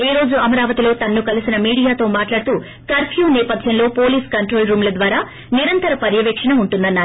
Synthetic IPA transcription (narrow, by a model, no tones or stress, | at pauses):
eːɾo̞ːd͡ʒuɐmɐɾaːʋɐt̪ilo̞ːt̪ɐnːukɐlisinɐmiːɽijaːt̪o̞ːmaːʈlaːɽt̪uː | k̪ɐɾpʰjuːnɛːpɐd̪ʱjɐmlo̞ːpoːliːskɐɳʈɾoːlɾuːmlɐd̪ʋaːɾaː | niɾɐnt̪ɐɾɐpɐɾjɐʋeːkʂɐɳɐmuɳʈund̪ɐnːaːɾu